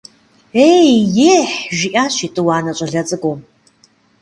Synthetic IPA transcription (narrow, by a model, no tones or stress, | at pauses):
ejjeːħʒiʔaːɕitʼɨwaːnɐɕʼɐɮɐt͡sʼɨɡʷo